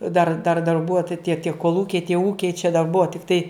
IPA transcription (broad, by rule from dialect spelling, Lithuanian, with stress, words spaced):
dɐr dɐr dɐrˈbʊɐ tɐ tʲiɛ tʲiɛ koːlˠˈuːkʲɛɪ tʲiɛ ˈuːkʲɛɪ t͡ʃʲɛ dɐr ˈbʊɐ tʲɪkˈtɐɪ